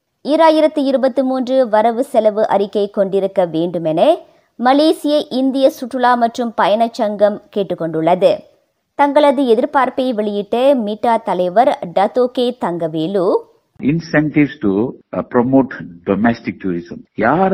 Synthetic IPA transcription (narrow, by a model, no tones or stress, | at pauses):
ɪːɾaːjɪɾɐt̪ːɯɪɾɯbɐt̪ːɯmuːndrɯʋɐɾɐʋɯsɛlɐʋɯʔɐ̰ɾɪkːɐɪkːɔɳɖɪɾɯkːɐʋeːɳɖɯmɛnɐ | mɐleːsɪjɐʔɪnd̪ɪjɐsʊʈːɯɭaːmɐʈrɯmpɐjɐɳɐt͡ʃːɐŋɡɐmkeːʈːɯkːɔɳɖɯɭːɐðɯ | t̪ɐŋɡɐɭɐðɯɛðɪɾpaːɾpɐɪʋɛɭɪjɪʈːɐmiʈːaːt̪ɐlɐɪʋɐɾɖɐt̪oːkeːt̪ɐŋɡɐʋeːluː | ɪnsɛɳʈɪʋsʈupɾɔmoːʈɖɔmɛsʈɪk̚ʈuːɾɪsɐmjaːɾ